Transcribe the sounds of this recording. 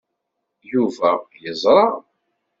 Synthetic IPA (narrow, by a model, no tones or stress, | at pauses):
juvæjəzˤɾˤɑ